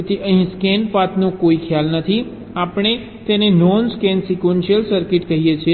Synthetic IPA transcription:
t̪ʰiʔəɦĩskɛnpat̪nũkoikʰjalnət̪ʰi | apəɳ̃e | t̪enenɔnskɛnsikʋenʃijəlsəɾkɪʈkəɦijet͡ʃʰe

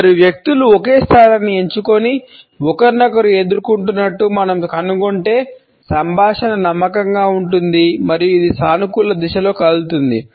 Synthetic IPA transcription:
ɐɾiʋjɐk̚t̪uluɔke̞ːst̪ʰaːɾɐnːie̞ɲt͡ʃuko̞ni | ɔkɐɾnɐkɐɾue̞d̪uɾukuɳʈunːɐʈːumɐnɐmkɐnuɡoɳʈe̞ː | sɐmbʱaːʂɐnɐnɐmːɐkɐŋɡaːuɳʈund̪imɐɾijuid̪isaːnukulːɐd̪iʃɐlo̞ːkɐlut̪und̪i

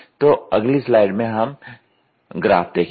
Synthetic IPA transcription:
t̪oɐɡlislaːɪɖmẽɦɐm | ɡɾa̰ːft̪eːkʰ

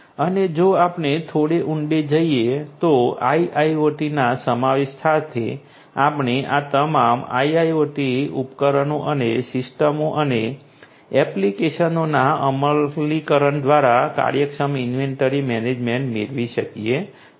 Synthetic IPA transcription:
əned͡ʒoapɳet̪ʰoɽeʔuɳɖed͡ʒəiet̪oaiʔaioʈinasəmaʋeʃsat̪ʰḛ | apɳeʔat̪əmama̰iajoʈiupkəɾənoʔənesɪsʈəmoʔəne | ɛplikeʃənonaəməlːikəɾəɳd̪ʋaɾaka̰ɾjəkʃəmɪnʋeɳʈəɾimɛned͡ʒmẽɳʈmḛɾʋiʃəkije

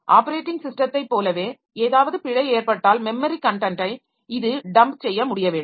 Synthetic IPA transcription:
ʔaːpɐɾeːʈːɪŋɡsɪsʈɐt̪ːɐɪpːoːlɐʋeː | eːðaːʋɐðɯpɪɻɐɪeːɾpɐʈːaːlmɛmːɐɾikɐɳʈɐɳʈɐɪ | ɪðɯɖɐmpsɛjːɐmʊɽɪjɐʋeːɳɯm

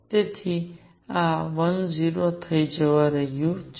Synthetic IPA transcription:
t̪et̪ʰi | ãʋənziɾot̪ʰəid͡ʒəʋaɾəɦjut͡ʃ

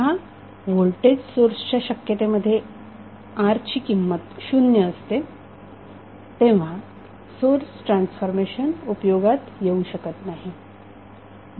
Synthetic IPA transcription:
ɦa | ʋolʈed͡ʑsoɾsət͡ɕjaɕəkjət̪eməd̪ʱːje | aɾt͡ɕiːkimːət̪ɕunjəːst̪e | t̪ẽʋ̤a | soɾsʈɾansfoɾmeɕənupjoɡat̪jeuɕəkət̪naɦi

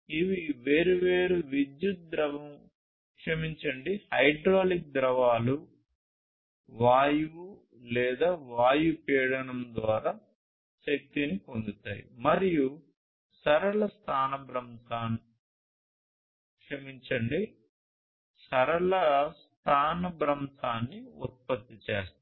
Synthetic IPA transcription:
iʋiʋeːɾuʋe̞ːɾuʋid̪jut̪̚d̪ɾɐʋɐm | kʂɐmiɲt͡ʃɐɳɖihɐjɖɾoːlik̚d̪ɾɐʋaːlu | ʋaːju | lɛːd̪aːʋaːjupɛːɽɐnɐmd̪ʋaːɾaː | ʃek̚t̪iniko̞nd̪ut̪a̰ːjḭmɐɾiju | sɐɾɐɭɐst̪ʰaːnɐbɾɐmt̪aːn | kʂɐmiɲt͡ʃɐɳɖi | sɐɾɐɭɐst̪ʰaːnɐbɾɐmt̪ʰaːnːiut̪̚pɐt̪ːit͡ʃḛːst̪ː

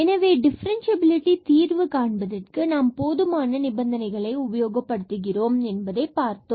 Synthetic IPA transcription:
ɛnɐʋeːɖɪfɐɾɐnsɐbɪlɪʈːit̪iːrʋɯkaːɳbɐðɪrkɯnaːmpoːðɯmaːnɐnɪbɐnd̪ʱɐnɐɪɣɐɭɐɪʊbɐjoːɡɐpːɐɽɯt̪ːɯɣɪɾoːmenbɐðɐɪpaːrt̪ːo

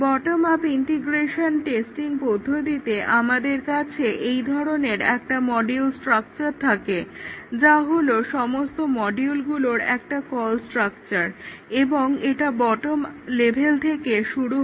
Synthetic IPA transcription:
bɔʈomapiɳʈiɡɾeʃonʈesʈiŋpod̪ʱːod̪it̪eʔamad̪eɾkat͡ɕʰeʔejd̪ʱɔɾoneɾɛ̰k̚ʈamɔɖiulsʈɾak̚t͡ɕaɾt̪ʰaked͡ʑaɦoloʃɔmost̪omɔɖiulɡuloɾɛ̰k̚ʈakɔlsʈɾakt͡ɕaɾeboŋeʈabɔʈomlebʱelt̪ʰekeʃuɽu

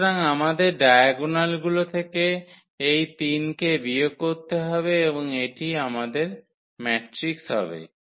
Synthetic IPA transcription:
ɾaŋamad̪eɾɖajaɡunalɡulot̪ʰeke | ejt̪inkebiokoɾt̪eɦɔbeeboŋeʈiamad̪eɾ | mɛʈɾiksɦɔ̰bḛ

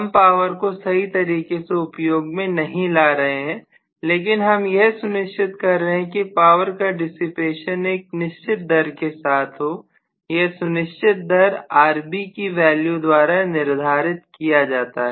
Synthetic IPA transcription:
ɦɐmpaːʋəɾkosɐɦit̪ɐɾiːkeseʊpjoːɡmẽnɐɦĩlaːɾɐɦeɦɛ̃ː | leːkɪnɦɐmjeɦsʊnɪʃt͡ʃʰɪt̪kɐɾːɐɦẽkipaːʋəɾkaɖɪsɪpeːʃəneːk̚nɪʃt͡ʃʰɪt̪̚d̪ɐɾkesaːt̪ʰɦo | jeɦsʊnɪʃt͡ʃʰɪt̪̚d̪ɐɾaːɾbikiʋɛːljud̪waːɾanɪɾd̪ʱaːɾɪt̪kijad͡ʒaːt̪aɦɛː

